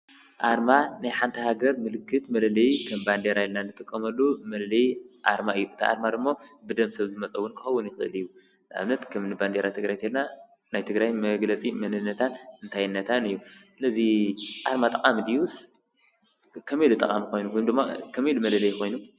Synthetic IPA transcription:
ʔaɾmanajħant̪ʰɐhaɡɐɾmɨlɨkːɨt̪mɐlɐlɐjkʰɐmband̪eɾajɛlnanɨt̪ʼɨkʼːɐmɐlːumɐllɐjʔaɾmaɨjːuɨt̪ʰiʔa̰ɾmad̪ɨmːo̞bɨd̪ɐmsɐβzɨmɐt͡sʼɐwːunkʰɨxɐwːunjɪxɨʔɨlɨjːu | nʔa̰βnɐt̪kʰɐmnɨband̪eɾat̪ʰɨɡɾajt̪ʰelna | najt̪ʰɨɡɾajmɐɡlɐt͡sʼimɐnɨnːɐt̪ʰanɨnt̪ʰajɨnːɐt̪ʰanɨjːusɨlɐziʔaɾmat̪ʼɐqʼamid̪ius | kʰɐmelut̪ʼɐkʼamiko̞jnumd̪ɨmːakʰɐmilumɐlɐlɐjkʰo̞jnu

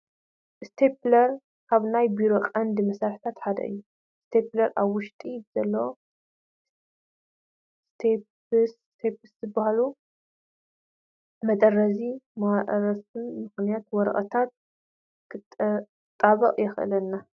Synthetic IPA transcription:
ʔɨst̪ʰeplɐɾ | kʰaβnajbiɾo̞qʼɐnd̪ɨmɐsaɾħi̥t̪ʰat̪ħad̪ɐ̰ʔɨ̰jːu | st̪ʰeplɐɾʔaβwʊʃt̪ʼiz̥ɐlːɐwo | st̪ʰe | s | t̪ʰepɨszɨbahalu | mɐt̪ʼɐrːɐzimaaʔɾɐsɨnmɨxnijat̪wɔɾɐ̰ʔʼɐt̪ʰat̪̚ | t̪ʼːaβɐqʼjɛxʔɨ̰lɐnːa

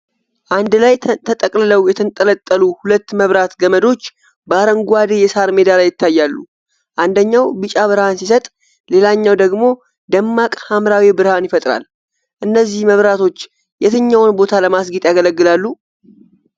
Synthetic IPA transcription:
ʔand̪lajt̪ʰət̪ʼəkʼlɨləwjɛt̪ʰənt̪ʼələt̪ʼːəluhulət̪ːməβɾat̪ɡəməd̪o̞t͡ʃː | bəaɾəŋɡʷad̪e̞jɛsaɾmed̪alajːɪt̪ʰːajːalːṵ | ʔand̪əɲːawbɨt͡ʃʼaβɨɾhansisət̪ʼ | le̞laɲːawd̪əɡmo̞ | d̪əmːakʼhamɾawibɨɾhanjɪfət̪ʼɾa̰l | ʔɨnːəzːihməβɾat̪ʰo̞t͡ʃː | jɛt̪ʰɨɲːawnbo̞t̪ʰaləmasɡit̪ʼjaɡələɡːɨlalːu

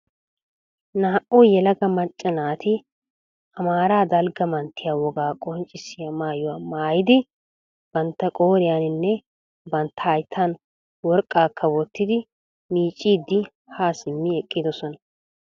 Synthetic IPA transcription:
naːʔʊjɛlɐɡɐmɐt͡ʃʼːɐnaːt̪ʰɪ | ɐmaːɾaːd̪ɐlɡɐmɐnt̪ʰːɪjaːwɔɡaːkʼɔnt͡ʃʼɪsɪjamaːjɔwaːmaːjɪd̪ɪ | b̥ɐnt̪ːɐkʼo̞ːɾɪjanɪnːɛ | bɐnt̪ʰːɐːjt̪ʰːan | wɔɾkʼːaːkːɐwɔt̪ːɪd̪ɪ | miːt͡ʃʼːiːd̪ːɪ | haːsɪmːɪɛkʼːɪd̪ɔsɔnɐ

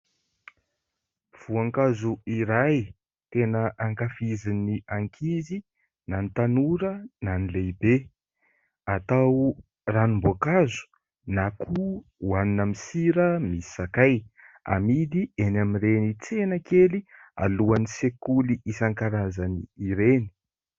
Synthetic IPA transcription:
v̥uaŋkazuiɾaj | t̪enəʔaŋkafiziniaŋkʰizi | nanit̪anuɾənanileibe | at̪aw | ranimbokazu̥ | nakʰu | waninamisiɾəmisi̥sakaj | a̰mid̪ienamirenit͡senəkelia̰luanisekuliʔisaŋkaɾazaniiɾeni̥

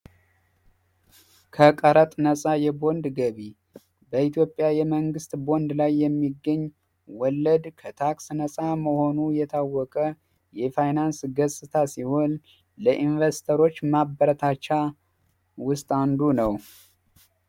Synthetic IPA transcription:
kʰəkʼəɾət̪ʼnəsʼajɛbo̞nd̪ɡəβi | bəit̪ʰjo̞pʼːjajɛməŋɡɨst̪bo̞nd̪lajːɛmːiɡːəɲː | wɔlːəd̪kʰət̪ʰaksnəsʼaməho̞nujɛt̪ʰawːɔkʼə | jɛfajnansɡəsʼɨt̪ʰasiho̞n | ləʔinvəst̪ʰəɾo̞t͡ʃːmabəɾət̪ʰat͡ʃːa | wʊst̪ʼand̪unəw

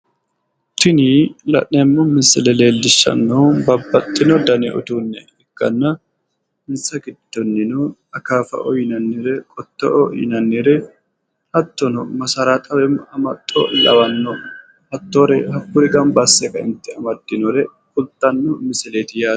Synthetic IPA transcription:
t̪ɪnilɐ̰ʔnɛmːɔmɪsɪlɛleːlːɪʃːɐ̰nːɔbɐbːɐt̪ʼːɪnɔd̪ɐnɪʔɔ̰d̪uːnːɛ | ɛkːɐnːɐ | mɪnsɐɡɪd̪̥ːɔnːɪnɔɐkaːfɐ̰ʔɔjɪnɐnːɪɾɛkʼɔt̪ːɔ̰ʔɔjɪ̰nɐnːɪɾɛ | hɐt̪ːɔnɔmɐsɐɾat̪ʼɐwɛmɐmɐt̪ʼːɔ̰lɐ̰wɐnːɔ | hɐt̪ːoːɾɛhɐkːʊɾɪɡɐmbasːɛkɐɪ̰nt̪ːɪɐmɐd̪̥ːɪnɔɾɛkʼʊlt̪ʼːɐnːɔmɪsɪleːt̪ɪjaː

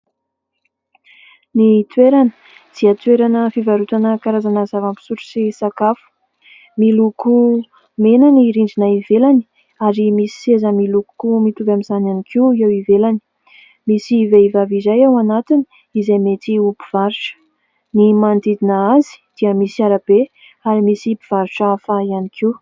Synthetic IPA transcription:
nit̪weɾanə̥ | d̪̥iət̪weɾanəfivaɾut̪anəkaɾazanəzavampi̥suɾu̥sisakafu̥ | miluku | menaniɾiɳɖ͡ʐinaivelani̥ | aɾimisi̥sezəmiluku̥kumit̪ubʲamizananikʰiewivelani̥ | misiveivavizajawanat̪ini̥ | izajmet̪iupiv̥aɾuʈ͡ʂə̥ | nimand̪id̪inəazi̥d̪̥iəmisiaɾab̥e | aɾimisipiv̥aɾuʈ͡ʂaafaianikʰiw

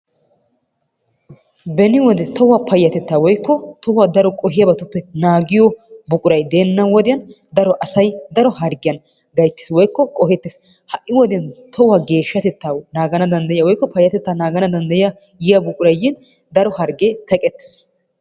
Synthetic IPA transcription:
bɛnɪwɔd̪ɛt̪ɔwaːpʰɐjːɐt̪ɛt̪ːaːwɔjkːɔt̪ɔwaːd̪ɐɾɔkʼɔɦɪjɐbɐt̪ʊpːɛnaːɡɪjɔbʊkʼʊɾɐjd̪e̞ːnːɐwɔd̪ɪjɐn | d̪ɐɾɔʔɐsɐjd̪ɐɾɔhɐɾɡɪjɐn | ɡ̪ɐjt̪ːɪ̥swɔjkːɔkʼɔɦɛt̪ːɪs | hɐʔːɪwɔd̪ɪjɐnt̪ʰɔwaːɡe̞ːʃːɐt̪ɛt̪ːaːnaːɡɐnɐd̪ɐnd̪ɐjɪjɐwɔjkːɔpɐjːɐt̪ɛt̪ːaːnaːɡɐnɐd̪ɐnd̪ɐjɪja | jɪjabʊkʼʊɾɐjːɪn | d̪ɐɾɔhɐɾɡeːt̪ɐkʼɛt̪ːe̥s

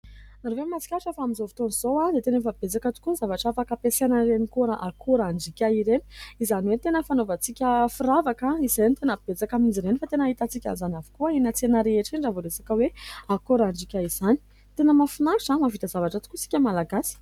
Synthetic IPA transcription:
naɾovemat͡si̥kʲaʈ͡ʂafaamizovi̥t̪onizowad̪et̪enefəb̥et͡sakət̪u̥kunizavaʈ͡ʂafakapesenaɾenikuɾaʔakoɾaɳɖ͡ʐikʲaiɾeni̥izaniwet̪enəfanovat͡sikʲəfiɾavakaizenit̪enəb̥et͡sakamind͡ʒiɾenifat̪enaɦit̪at͡sikʲa̰nzanavi̥kuainat͡senəɾeeʈ͡ʂiɳɖ͡ʐavolesḁkəweakoɾaɳɖ͡ʐikʲaiz̥ani̥ | t̪enəmafinaʈ͡ʂamavit̪azavaʈ͡ʂat̪ukusi̥kʲəmalaɡasi̥

